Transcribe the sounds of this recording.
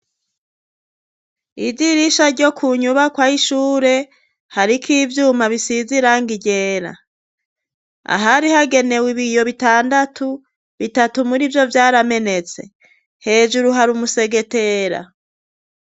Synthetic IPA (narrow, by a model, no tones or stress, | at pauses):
ivɟiɾiʃaɾɟo̞kʰuɲuβakwaːhiʃuːɾe̞ | haɾikʰiːvjuːmaβisiziɾaŋɡiɟe̞ːɾa̰ | a̰ɦaɾihaɡe̞ne̞wiβijo̞βitaːndatʰu | βitatumuɾivjo̞vjaːɾame̞ne̞t͡se̞̰ | he̞ːd͡ʒuɾuɦaɾumuse̞ɡe̞te̞ɾa̰